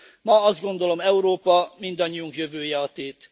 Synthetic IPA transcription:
mɒɒzd̪ɡo̞nd̪o̞lo̞mɛuɾoːpɒmind̪ɒɲːiuŋkjø̞vøːjɛɒt̪eːt̪

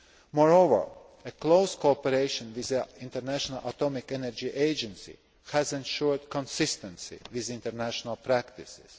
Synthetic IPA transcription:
mɔɹovə̰ɹ | əkloʊskoɔpəɾeɪʃə̃nwɪzəɪ̃nt̪əɾnæʃɔnalʔat̪ɔmɪkɛnɛɹd͡ʒiʔeɪd͡ʒɛ̃nsḭ | hæzɛ̃nʃuɹdkɔ̃nsɪst̪ə̃nsḭwɪzɪ̃nt̪əɾnæʃonalˠpɾækt̪ɪsɪz̥

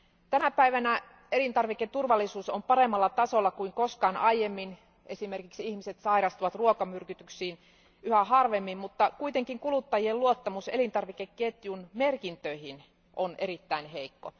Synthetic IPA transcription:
t̪ænæpæiʋænæ | e̞lint̪ɑrʋiket̪urʋɑlːisuːsompɑɾemːɑlːɑt̪ɑsolːɑkuiŋkoskɑːnʔɑjemːin | ʔesimerkiksihmiset̪sɑiɾɑst̪uʋɑt̪ruokɑmyrkyt̪yksiːn | yhæɦɑrʋemːimmut̪ːɑkuit̪eŋkiŋkulut̪ːɑjielluot̪ːɑmusḛlint̪ɑrʋikekket̪junmerkint̪øihin | ʔone̞ɾit̪ːæinɦeikːo̰

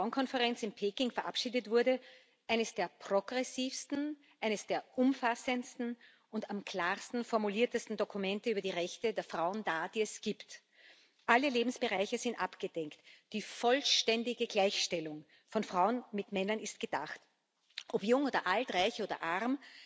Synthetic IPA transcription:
aʊnkʰɔnfəʁɛnt͡sɪnpʰeːkɪŋfɛɐʔapʃiːdətv̥ʊɐdə | ʔæɪnəsd̥eːɐpʁ̥oɡʁɛsiːfstn̩ | ʔæɪnəsd̥eːɐʔʊmfasənstn̩ | ʊntamkʰl̥aːʁstn̩fɔɐmuliːɐtəstn̩dokumɛntəyːbɐdiːʁɛçtədeːɐfʁ̥aʊənd̥aːd̥iːɛsɡ̥iːpt | ʔaləleːbm̩sb̥əʁaɪçəzɪntʔapɡ̥əd̥ɛŋktd̥iːfɔlʃtɛndɪɡəɡlæɪçʃtɛlʊŋ | fɔnfʁ̥aʊənmɪtmɛnɐnɪst̚ɡ̥əd̥a̰χt | ʔɔpjʊŋoːdɐ̰ʔaltʁaɪçʔoːdɐ̰ʔaʁm

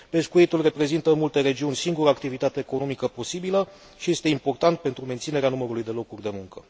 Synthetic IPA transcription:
pe̞skujit̪ulre̞pɾe̞zint̪əmult̪e̞ɾe̞d͡ʒiunʲsiŋɡuɾəaːkt̪ivit̪at̪e̞ːko̞nomikəpo̞sibilə | ʃije̞st̪e̞impo̞rt̪ant̪̚pe̞nt̪ɾume̞nt̪sine̞ɾeanuməɾulujd̪e̞lo̞kurʲd̪e̞muŋkə

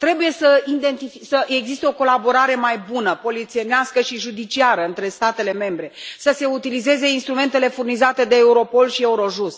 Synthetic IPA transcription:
t̪ɾe̞buje̞səind̪e̞nt̪ifisəʔeɡzist̪eo̞ko̞labo̞ɾaɾe̞majbunəpo̞lit̪sie̞neaskəʃiʒud̪it͡ʃiaɾəɨnt̪ɾe̞st̪at̪e̞le̞me̞mbɾe̞səse̞ut̪ilize̞ze̞inst̪ɾume̞nt̪e̞le̞furnizat̪e̞d̪eːuɾo̞po̞lʃie̞uɾo̞ʒust̪̚

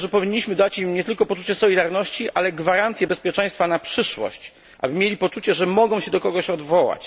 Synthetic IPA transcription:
ʐɛpɔvʲiɲːiɕmɘd̪at͡ɕimɲɛt̪ɘlkɔpɔt͡ʂut͡ɕɛsɔlʲid̪aɾnɔɕt͡ɕiʔalɛɡvaɾant̪sʲjɛbɛspʲjɛt͡ʂɛ̃j̃st̪fanapʂɘʂwɔ̰ɕt͡ɕ | ʔa̰bɘmʲjelʲipɔt͡ʂut͡ɕɛʐɛmɔɡɔ̃w̃ɕɛd̪ɔkɔɡɔɕɔd̪vɔwa̰t͡ɕ

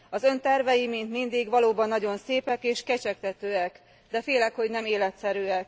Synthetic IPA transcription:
ɒzø̞nt̪ɛrvɛjimint̪mind̪iɡʋɒloːbɒnːɒɟo̞nseːpɛkeːʃkɛt͡ʃɛk̚t̪ɛt̪øːɛk | d̪ɛfeːlɛkho̞ɟnɛmeːlɛt̪sɛɾyːɛk

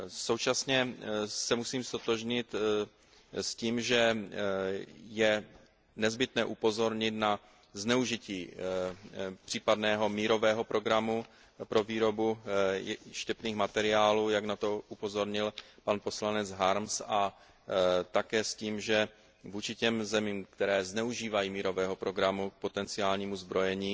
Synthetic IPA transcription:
so̞wt͡ʃasɲɛsɛmusiːmst̪o̞t̪o̞ʒɲɪt̪ | sciːmʒɛ | jɛ | nɛzbɪt̪nɛːʔupo̞zo̞ɾɲɪt̪na | znɛuʒɪciː | pr̥iːpad̪nɛːɦo̞miːɾo̞vɛːɦo̞pɾo̞ɡɾamu | pɾo̞viːɾo̞bu | ʃcɛpniːxmat̪ɛɾɪaːluːjaɡnat̪o̞ʔupo̞zo̞ɾɲɪlpanpo̞slanɛd͡zɦaɾmsa | t̪akɛːsciːmʒɛ | vuːt͡ʃɪcɛmzɛmiːmkt̪ɛɾɛːznɛuʒiːvajiːmiːɾo̞vɛːɦo̞pɾo̞ɡɾamuk̚po̞t̪ɛnt͡sɪaːlɲiːmuzbɾo̞jɛɲiː

